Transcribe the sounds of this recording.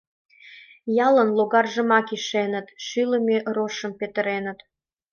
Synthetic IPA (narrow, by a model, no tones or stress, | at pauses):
jɑlənloɣɑrʒəmɑkiʃenət̪ʃyləmeʔroʃəmpet̪əɾenət̪